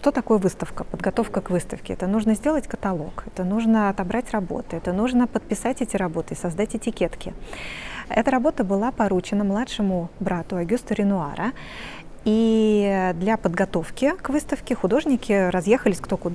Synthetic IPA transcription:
ʂt̪o̞t̪ɐko̞jəvɨst̪əfkəpəd̪ɡɐt̪o̞fkəkvɨst̪əfkʲɪɛ̰t̪ənuʐnəzʲdʲe̞lˠətʲkə̥t̪ɐlˠo̞̰kɛt̪ənuʐnəɐt̪ɐbɾatʲrɐbo̞̰t̪ɨɛt̪ənuʐnəpət̪̚pʲɪsatʲɛtʲɪɾɐbo̞t̪ɨɪsɐzd̪atʲɪtʲɪkʲet̪kʲɪ | ɛ̰t̪əɾɐbo̞t̪əbɨlˠapɐɾut͡ɕɪnəmlˠatʂɨmʊbɾat̪ʊɐɡʲust̪əɾʲɪnʊa̰ɾʔə | i | d̪lʲapəd̪ɡɐt̪o̞fkʲɪkvɨst̪əfkʲɪxʊd̪o̞ʐnʲɪkʲɪɾɐzje̞xəlʲɪsʲkt̪o̞kʊd̪

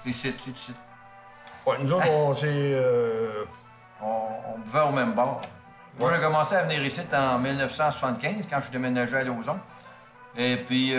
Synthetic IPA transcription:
eset͡sysɪt̪̚ | wɛnuzoɔ̃seø | ɔ̰̃ːpvɛomɛ̃mbɑːʁ | mwaʒekɔmɑ̃seavniːʁisɪt̪ɑ̃milnœfsɑ̃sw̥sɑ̃t̪kʲɛ̃zkɑ̥̃syd̪emenaʒealozɔ̃ | epɥi

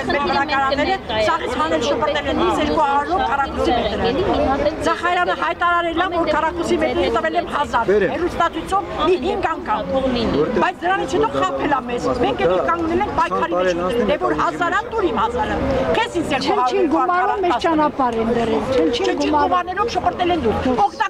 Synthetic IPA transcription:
ɛlmɛɾəɾɑɑɾɑɛləsɑʁit͡sʰhɑnɛlʃəpəɾt̪ɛlɛnizɛɾkuɑɑɾnɔvkʰɑrɑkʰusimɛt̪əɾə | zɑχɑɾjɑnəɦɑjt̪ɑɾɑɾɛlɑvvɔɾk̪ʰɑrɑkusimɛt̪ɾət̪əvɛlɛmɦɑzɑɾhɛrust̪ɑt͡s̪ʰujt͡sʰɔvmiɦiŋɡɑŋkʰɑmɔbɑjt͡sʰd̪əɾɑnit͡sʰhɛt̪ɔχɑpʰɛlɑmɛzmɛŋkʰɛt̪ɛkɑŋɡnɛlɛŋk̚ʰpɑjkʰɑɾiɾɾɛɛvɔɾɦɑzɑɾɑt̪uɾimhɑsɑɾəχɛsinsɛlnt͡ʃʰiɡumɑɾumːɛɾt͡ʃɑnɑpɑɾɛnd̪ərɛlt͡ʃʰənt͡ʃʰiɡumɑɑɾnɛɾɔvʃəpəɾt̪ɛlɛnd̪uɾɔkʰt̪ɑ

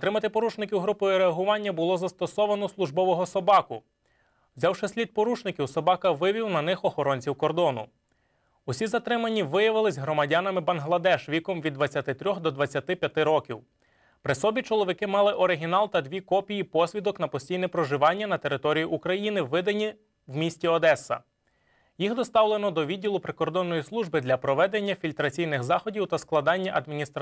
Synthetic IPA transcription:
t̪ɾɪmɐt̪ɪpɔɾut͡ʃnɪkʲiwɦɾupɔjʊɾeɐɦʊʋɑnʲːɐbʊlˠɔzɐst̪ɔsɔʋɐnɔslˠʊʒbɔʋɔɦɔsɔbɑkʊ | wzʲɑwʃɪsʲlʲid̪̚pɔɾut͡ʃnɪkʲiwsɔbɑkɐʋɪʋʲiwnɐnɪxɔxɔɾɔnʲt͡sʲiwkɔrd̪ɔnʊ̰ | ʊsʲizɐt̪ɾɪmɐnʲːiʋɪjɐʋɪlˠɪzʲɦɾɔmɐdʲɑnɐmɪbɐnɦlˠɐd̪ɛʃʋʲikɔmʋʲid̪ʋɐt͡sʲjɐt̪ɪt̪ɾʲɔxd̪ɔd̪ʋɐt͡sʲjɐt̪ɪpʲjɐt̪ɪɾɔkʲiw | pɾɪsɔbʲit͡ʃɔlˠɔʋʲɪkɪmɑlˠɪʔɔɾɪɦʲinɑlˠt̪ɐd̪ʋʲikɔpʲijipɔsʲʋʲid̪ɔknɐpɔsʲtʲijnɪpɾɔʒɪʋɑnʲːɐnɐt̪eɾɪt̪ɔɾʲijiʔukɾɐjinɪʋɪd̪ɐnʲːi | wmʲisʲtʲiɔd̪ɛsːɐ̰ | jixd̪ɔst̪ɑwlˠenɔd̪ɔʋʲidʲːilˠʊpɾɪkɔrd̪ɔnːɔjislˠuʒbɪd̪lʲɐpɾɔʋɛd̪e̞nʲːɐfʲilʲt̪ɾɐt͡sʲijnɪxzɑxɔdʲiwt̪ɐsklˠɐd̪ɑnʲːɐʔɐd̪mʲinʲist̪ɾ

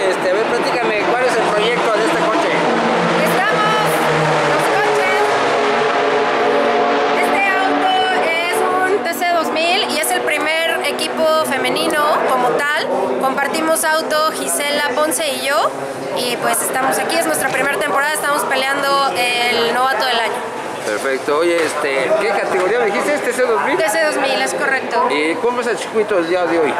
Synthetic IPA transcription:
est̪eβeɾplat̪ikamekwaleselpɾo̞ʝe̞k̚t̪oðeest̪ekot͡ʃe | est̪amoos | e | okot͡ʃees | e̞st̪e̞awt̪oesunt̪eseðo̞zmilie̞se̞lpɾime̞ɾe̞kipo̞fe̞mẽ̞nĩno̞ko̞mo̞t̪alko̞mpaɾt̪imo̞sawt̪o̞xise̞lapo̞nse̞iʝo̞ | ipwe̞se̞st̪amosakie̞znwe̞st̪ɾapɾime̞ɾat̪e̞mpoɾaðaest̪amo̞spe̞ljand̪o̞elno̞βat̪oð̞e̞laɲo̞ | peɾfek̚t̪oojeest̪ekekat̪eɣo̞ɾiameðixist̪eest̪es̬eozmild̪eseðozmile̞sko̞re̞k̚t̪o̞ikwompɾes̬at͡ʃi̥kwit̪oeld̪iaðeoj

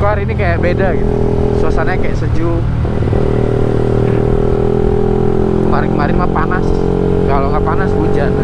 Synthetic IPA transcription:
koaɾinikajaʔbedaɡit̪u | suasanaakajaʔsəd͡ʒʊk | kəmaɾɪnkəmaɾɪnmapanas | kaloŋɡaʔpanasbud͡ʒan

